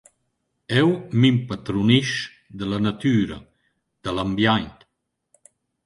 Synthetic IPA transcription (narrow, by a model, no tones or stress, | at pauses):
ɛwmimpat̪ɾuniʃ | d̪əlanat̪yːɾa̰ | d̪̥əlambjajnt̪